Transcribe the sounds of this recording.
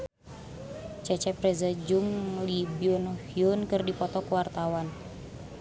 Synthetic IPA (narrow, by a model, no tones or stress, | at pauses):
t͡ʃɛt͡ʃɛpɾɛzad͡ʒuŋlibiɔnɔhiunkɨrdipɔt̪ɔkuwart̪awan